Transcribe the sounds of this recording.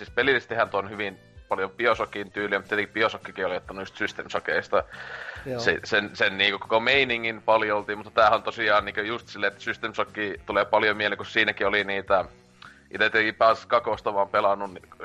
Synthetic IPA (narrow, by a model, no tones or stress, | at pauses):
siːspelilːist̪ihænt̪onhyʋin | pɑljopiosokint̪yːliæmt̪iet̪ekipiosokːikiolijot̪ːɑnuust̪syst̪emsɑkeist̪ɑ | sesensenniːŋkøko̥komeiniŋːinpɑljoolt̪iːmut̪ːɑ̥t̪æːhæont̪osiɑːnniːkøjust̪silːeet̪ːæ̥syst̪emsɑkːiːt̪uleːpɑljomieleŋkussiːnækioliniːt̪æ | ḭt̪æt̪ːteŋkipɑːskɑkost̪ɑʋɑːmpelɑnːuni